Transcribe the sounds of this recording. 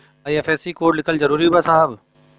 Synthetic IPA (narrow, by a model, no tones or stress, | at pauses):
ɐɐfʰɛːsikoːʈlɪkʰəld͡ʒəɾuːɾiɦʊbasaːb